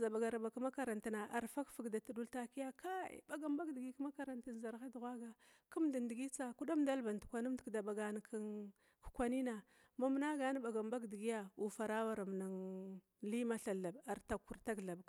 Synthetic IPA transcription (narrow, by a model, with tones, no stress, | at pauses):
za˨ba˨ɡa˨ɾa˨ba˨ka˦ma˦ka˨ɾa˨nta˨na˨ʔa˨ɾfa˦kfi˨ɡda˨tu˨du˦lta˦ki˦ja˦ka˦ḭ˨ba˨ɡa˨mba˦ɡdi˨ɡi˦kma˦ka˨ɾa˨nta˨n˨za˨ɾxa˦du˨ɣʷa˦ɡa˨ | ku˦mda˨ndi˨ɡi˦t͡sa˦ku˦da˦mda˦lba˨ntu˨kʷa˨nu˦mtkda˨ba˨ɡa˨n˨kʰn | ku̥˨kʷa˦ni˦na˨ | ma˦m˦na˦ɡa˦n˦ba˨ɡa˨mba˦ɡdi˨ɡi˦ja˦u˨fa˨ɾa˦wa˦˨ɾa˨m˨na˨ŋ | li˦ma˦ɬa˨la˨ba˨ɾta˨kːu˨ɾta˦ɡɬa˨b